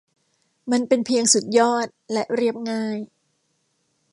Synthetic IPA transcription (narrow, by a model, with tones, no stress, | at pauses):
ma˧npe˧npʰi˧əŋsu˨˩t̪̚jɔː˥˩t̪̚lɛ˦˥ʔɾi˥˩əp̚ŋaː˥˩j